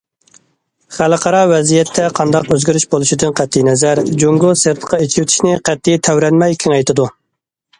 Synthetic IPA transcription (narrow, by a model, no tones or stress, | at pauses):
χælɨqʰɑɾɑwɛzijɛt̪ʰːɛqʰɑnd̪ɑqøzɡʲyɾyʃbolˠuʃid̪ɪnqʰæt̪ʰːijnɛzæɾd͡ʒoŋɡʊseɾp̪ʰə̥qʰɑit͡ʃʰiwt̪ʰɪ̥ʃnɪqʰæt̪ʰːijt̪ʰæwɾɛnmɛjkʲʰiŋɑjt̪ɨd̪u